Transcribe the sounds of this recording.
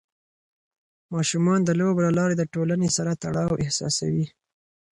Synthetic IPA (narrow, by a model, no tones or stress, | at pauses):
mɑʃumɑnd̪əloblalɑɾed̪əʈolanesaɾat̪aɽɑwʔɪhsɑ̰sa̰wi